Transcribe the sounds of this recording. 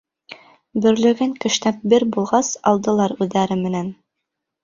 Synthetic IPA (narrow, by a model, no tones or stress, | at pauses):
bɵ̆ɾlɵ̆ɡæŋkɘ̆ʃt̪æp̚bɘɾbulˠʁɑsɑ̰lˠd̪ɤ̆lˠɑɾʉðːæɾɘmɘ̆næn